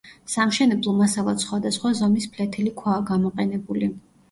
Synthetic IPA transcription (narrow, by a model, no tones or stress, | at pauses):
samʃɛnɛblˠɔmasalˠat̪sχwad̪asχwazɔmispʰlɛt̪ʰɛlikʰwaːɡamɔqʼɛnɛbuli